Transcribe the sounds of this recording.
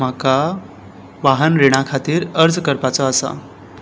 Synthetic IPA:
maka | ʋaɦənɾeɽ̃akʰat̪iːɾəɾd͡zkəɾpat͡sɔəsa̰

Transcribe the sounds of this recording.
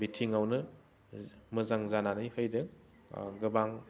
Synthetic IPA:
bitʰiŋawnɯ | mɯzaŋzananɯjhɯjdɯŋ | ɡɯbaŋ

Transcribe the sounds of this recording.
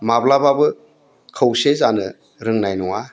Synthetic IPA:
mablababɯ | kʰɯwsezanɯ | ɾɯŋnajnuŋa

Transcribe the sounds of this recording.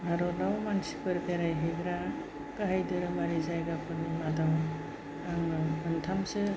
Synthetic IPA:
bʱaɾɔnawmansi̥pɯɾpʰeɾajɦeɡɾa | kaɦajdɯɾɯmaɾizajɡapʰɯnimadaw | aŋnɯɯntʰamsɯ

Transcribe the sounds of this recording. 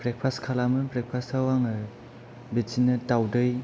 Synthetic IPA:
bɾek̚pʰaskʰalamɯpɾek̚pʰasʰawaŋɯ | bisinɯtawdɯj

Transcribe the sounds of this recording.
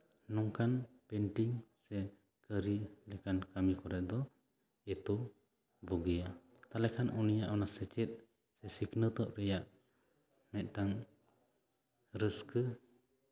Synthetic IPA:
nɔŋkanpɛnʈiŋsɛ | kəɾilɛkankamikɔɾɛʔ̪̚d̪ɔ | ɛt̪ɔ | bɔɡɛja | t̪alɛkʰanunijaʔɔnasɛt͡ʃɛt̪̚ | sɛsiknət̪ɔʔɾɛjaʔ | mɛt̪̚ˀʈaŋ | ɾəskə

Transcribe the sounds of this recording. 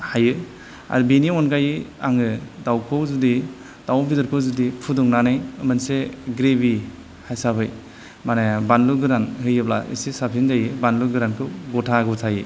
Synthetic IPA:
hajɯ | a̰dbiniɔnkajɯaŋɯdawkʰɯwzudi | d̥awpidɔɾkʰɯwzudipʰudɔŋnanɯjɯmɯnseɡɾebi | hajsabɯj | manebanluɡɯɾanhɯjɯbla̰ḭsisapʰinzajɯbanluɡɯɾankʰɯwɡɔtʰaɡɔtʰajɯ

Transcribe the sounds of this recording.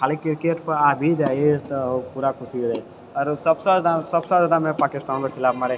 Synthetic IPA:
kʰaːlikɪɾkeːʈpɐɾaːbʱid̪ajet̪puːɾakʰʊsid̪a | ɔɾsɐbsəd̪asɐbsad͡ʒəd̪amẽpaːkɪst̪aːnkokʰɪlaːbmaɾe

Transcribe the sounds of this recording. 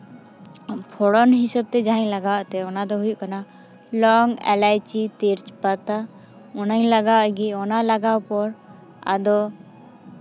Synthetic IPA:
pʰɔɽɔnɦisəb̚t̪ɛd͡ʒaɦɛɲlaɡawʔt̪ɛɔnad̪ɔɦujuʔkana | lɔŋɛ̰lajt͡ʃit̪iɾt͡ʃpat̪a | ɔnaɲlaɡawʔɡiɔnalaɡawpɔɾ | a̰d̪ɔ

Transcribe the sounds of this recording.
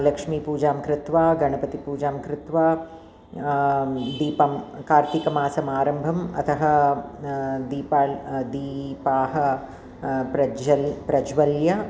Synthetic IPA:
lɐkʂmiːpuːd͡ʒaːmkɾɪt̪ʋaːɡɐɳɐpɐt̪ipuːd͡ʒaːmkɾɪt̪ʋaː | d̪iːpɐmkaːɾt̪ikɐmaːsɐmaːɾɐmbʱɐmɐ̰t̪ʰɐɦɐ̆ | d̪iːpaːd̪iːpaːɦɐ | pɾɐɐpɾɐd͡ʒʋɐljɐ

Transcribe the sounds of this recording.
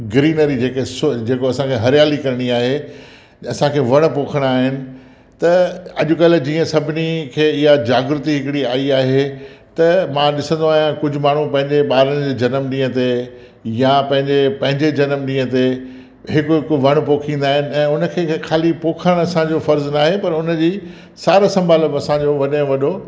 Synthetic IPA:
ɡɾiːnəɾid͡ʑeːkesʊd͡ʑeːkoɐsãkʰeɦɐɾjaːlikɐɾɪɽ̃iaːɦe | ɐsãkʰeːʋɐɽ̃poːkʰəɽ̃aːɦɪnɪ̆ | t̪ɐɐʄʊ̆kɐld͡ʑiːə̃sɐbʱɪnikʰeːɪɦad͡ʑaːɡɾʊt̪iɦɪkɪɽiaːiaːɦet̪ɐmãːɗɪsə̃nd̪oaːɦjãkʊd͡ʑʱʊ̆maːɳ̤upɐ̃ɦɪ̃ɲd͡ʑeɓaːɾəɽ̃ɪd͡ʑeːd͡ʑɐnəmɗĩːə̃t̪e | japɐ̃ɦɪ̃ɲd͡ʑepɐ̃ɦɪ̃ɲd͡ʑed͡ʑɐnəmɗĩːə̃t̪e | ɦɪkʊkʋɐɽ̃poːkʰĩːn̆d̪aːɦɪnɪ̆ɛ̃ːʊnə̆kʰeːxʰaːlipoːkʰəɽ̃ɐsãd͡ʑofɐɾznaːɦepɐɾʊnəd͡ʑiː | saːɾasɐ̃mbʱaːlbɐsãd͡ʑoʋɐɗɪ̃ʋɐɗo

